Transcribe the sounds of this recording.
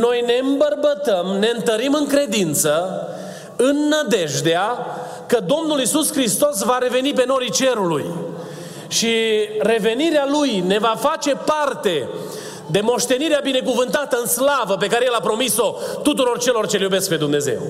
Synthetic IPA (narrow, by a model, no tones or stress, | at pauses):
no̞jne̞ɨmbərbət̪əmne̞ɨnt̪əɾimɨŋkɾe̞d̪int̪sə | ɨnːəd̪e̞ʒd̪ea | kəd̪o̞mnulisuskɾist̪o̞s̬vaɾe̞ve̞nip̬e̞no̞ɾit͡ʃe̞ɾuluj | ʃire̞ve̞niɾealujne̞vafat͡ʃe̞part̪e̞ | d̪e̞mo̞ʃt̪e̞niɾeabine̞kuvɨnt̪at̪əɨnslavəpe̞kaɾejelapɾo̞miso̞t̪ut̪uɾo̞rt͡ʃe̞lo̞rt͡ʃe̞ljube̞sk̚pe̞d̪umne̞ze̞̰w